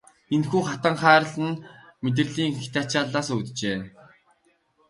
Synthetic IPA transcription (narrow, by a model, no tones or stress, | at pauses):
enxuːχat̪ə̆ɴχæːɾə̆ɮə̆nmet̪̬ɘ̆rɮiːŋxi̥t̪aːt͡ɕaːɮaːsɵt̪t͡ɕeː